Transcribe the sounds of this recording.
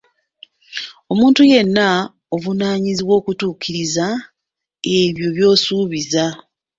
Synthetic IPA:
o̞muːntuje̞nːa | ovunaːɲiziβwo̞ːkutuːkiɾiza | e̞βjo̞βjo̞ːsuːβiza

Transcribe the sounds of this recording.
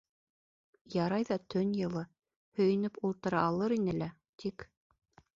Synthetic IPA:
jɑɾɑjðɑt̪ʰɵnjɤ̆lˠɤ | hɵ̆jɘ̆nɘpulˠt̪ɤ̆ɾɑːlˠɤɾinɘlæ | t̪ʰik

